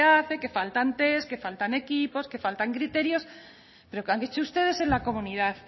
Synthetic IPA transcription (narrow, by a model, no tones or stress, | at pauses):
aθe̞ke̞falt̪ant̪e̞ske̞falt̪ane̞kipo̞ske̞falt̪aŋkɾit̪e̞ɾjo̞s | pe̞ɾokaŋket͡ʃoust̪e̞ð̞e̞se̞nlako̞mũniðaθ